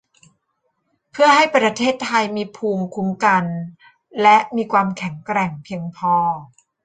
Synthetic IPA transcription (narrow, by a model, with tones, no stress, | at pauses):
pʰɯ˥˩ɐɦa˥˩jpɾa˧t̪ʰeː˥˩t̪ʰːa˧jmiː˧pʰuː˧ŋkʰu˧˥mka˧n | lɛ˦˥ʔmiː˧kʰwaː˧mkʰɛ˨˩˦ŋkɾɛ˨˩ŋpʰi˧əŋpʰɔː˧